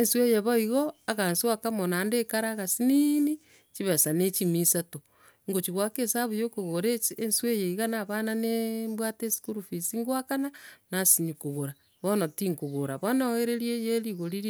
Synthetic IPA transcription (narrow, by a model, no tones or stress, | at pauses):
enswejeβoiɣoaɣanswakamonandekaɾaɣasinini | t͡ʃiβasanet͡ʃimisato | ŋɡot͡ʃiɣwakesaβujokoɣoɾeenswejeiɣanaβananembwatesi̥kuɾufisiŋɡwakananasiɲukoɣoɾa | βonotiŋkoɣoɾaβonaeɾeɾjejeɾiɣoɾiɾ